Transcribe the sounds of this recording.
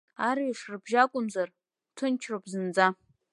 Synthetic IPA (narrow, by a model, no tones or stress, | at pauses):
aɾiʂrɨbʒakʷʼʊmzar | tʰʊnt͡ʃʰropʰʼzɨnd͡za